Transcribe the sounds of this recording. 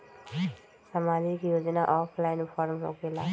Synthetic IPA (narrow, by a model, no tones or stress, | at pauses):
samad͡ʒikjoːd͡ʒənaʔɔpʰlajnpʰɔɾəmɦo̰kela